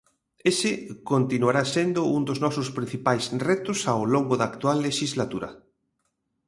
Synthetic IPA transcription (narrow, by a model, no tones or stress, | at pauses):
esɪkont̪inuaɾasend̪ʊund̪oznɔsʊspɾĩn̟θipajsrɛt̪ʊsawloŋɡʊðaːkt̪ualːeʃizlat̪uɾɐ̰